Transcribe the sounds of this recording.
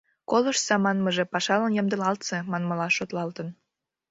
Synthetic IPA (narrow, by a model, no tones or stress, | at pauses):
koləʃsɑmɑnməʒepɑʃɑlənjə̆md̪ə̆lɑlt̪semɑnməlɑʃot̪lɑlt̪ən